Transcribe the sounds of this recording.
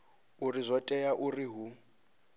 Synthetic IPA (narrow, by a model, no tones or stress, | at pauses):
urizʷɔtʼɛjaʔuriɦu